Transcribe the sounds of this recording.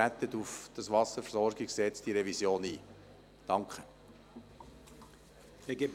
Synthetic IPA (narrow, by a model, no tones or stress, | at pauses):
æt̪ət̪ufd̥ɑsʋɑsəɾfəɾsɔɾɡiksɛt͡sd̥iɾɛvisjoːnḭː | d̥ɑŋkχə | eɡɪb